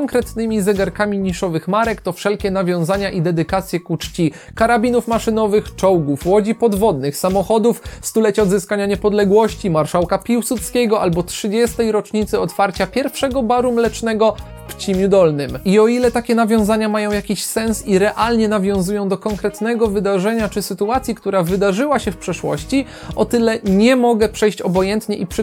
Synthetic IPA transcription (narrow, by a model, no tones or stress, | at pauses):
ɔŋkɾɛt̪nɘmʲizɛɡaɾkamʲiɲiʂɔvɘxmaɾɛkt̪ɔfʂɛlkʲɛnavʲjɔ̃w̃zaɲaʔid̪ɛd̪ɘkat̪sʲjɛkut͡ʂt͡ɕi | kaɾabʲinufmaʂɘnɔvɘxt͡ʂɔwɡufwɔd͡ʑipɔd̪vɔd̪nɘxsamɔxɔd̪ufst̪ulɛt͡ɕɔd̪zɘskaɲaɲɛpɔd̪lɛɡwɔɕt͡ɕimaɾʂawkapʲiwsut̪skʲɛɡɔʔalbɔtʂɘd͡ʑɛst̪ɛjɾɔt͡ʂɲit̪sɘɔt̪faɾt͡ɕapʲjɛɾfʂɛɡɔbaɾumlɛt͡ʂnɛɡɔ | pt͡ɕimʲjud̪ɔlnɘmiɔilɛt̪akʲɛnavʲjɔ̃zaɲamajɔ̃w̃jakʲiɕsɛnsiɾɛʔalɲɛnavʲjɔ̃w̃zujɔ̃w̃d̪ɔkɔŋkɾɛt̪nɛɡɔvɘd̪aʐɛɲat͡ʂɘsɘt̪uat̪sʲjikt̪uɾavɘd̪aʐɘwaɕɛfpʂɛʂwɔ̰ɕt͡ɕi | ɔt̪ɘlɛɲɛmɔɡɛpʂɛjɕt͡ɕɔbɔjɛnt̪ɲɛʔipʂ